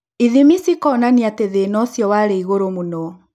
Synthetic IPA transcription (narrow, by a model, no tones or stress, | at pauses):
iðimisikɔnaniateðenɔsjɔwaɾeiɣoɾomunɔ